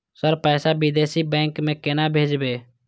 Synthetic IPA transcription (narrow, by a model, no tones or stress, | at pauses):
səɾpɛːsabɪd̪eːsibɛ̃ːŋkmẽkenabʱeːd͡ʒbeː